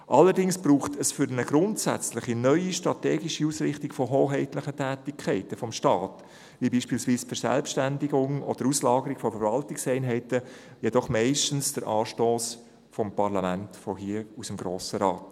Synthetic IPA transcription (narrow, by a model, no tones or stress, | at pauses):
ʔɑlːəɾdɪŋsb̥ɾuːχtəsfʏɾnəɡ̥ɾʊntsæ̰t͡slɪχinœʏiʃtɾɑteːɡiʃiuːsɾɪχtɪɡfɔɦoːɦɛɪtləχətʰæːtɪkʰχɛɪtəfɔmʃtɑːt | ʋibiːʃpiːlsʋiːsfəɾsæ̰lpʃtændɪɡʊŋɔd̥̪əɾuslɑːɡəɾiɡ̥fɔfəɾvɑltɪksɛɪnɦɛɪtə | jɛdɔχmɛɪʃtən̩sd̥əɾʔɑːʃtoːs | fɔmpɑɾlɑmæntfɔɦiəusəmɡɾoːsəɾɑːt